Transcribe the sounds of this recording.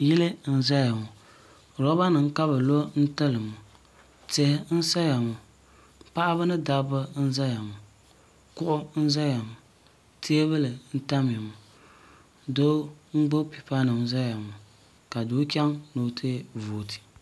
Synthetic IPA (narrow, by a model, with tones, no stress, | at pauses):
jɪ˦lɨ˦n̩˦za˦ja˨mu˨ | ɾɔ˦ba˦nɨ˨ŋ˦ka˦βɨ˨lo˦n̩˦tɨ˦lɨ˨mu˨ | tɛ˦hn̩˦sa˦ja˨mu˨ | pa˦ʔa˦βɨ˦nɨ˦da˦bɨ˦n̩˦za˦ja˨mʊ˨ | kʊ˦ʔʊ˦n̩˦za˦ja˨mʊ˨ | te˦e˦βɨ˦lɨ˨n̩˦ta˦m˨i˨mu˨ | do˦ŋ͡m̩˦ɡ͡bʊ˦pi˨pa˦nɨ˨mza˦ja˨mʊ˨ | ka˨do˦kʲɛ˦ŋno˦tʰe˦vo˨tʰi̥˨